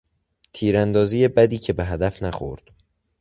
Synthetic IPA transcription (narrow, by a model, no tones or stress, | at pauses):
t̪ʰiːɾænd̪ɒːzije̞bæd̪iːcʰe̞be̞ɦæd̪æfnæxo̞̰ɾd̪̥